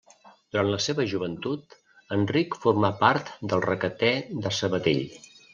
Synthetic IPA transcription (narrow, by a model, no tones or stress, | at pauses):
d̪̥uɾantləseβəʒuβənt̪ut̪ | ənrikfuɾmapaɾt̪d̪əlˠrəkət̪ɛðəsəβət̪ḛʎ